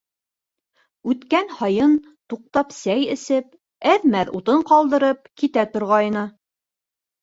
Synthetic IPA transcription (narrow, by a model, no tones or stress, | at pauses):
ʉt̪kænhɑjɤn | t̪uq̚t̪ɑpsæjɘ̆sɘp | æðmæɾut̪ɤɴqɑlˠd̪ɤ̆ɾɤp̚kit̪æt̪ŏɾʁɑjnɤ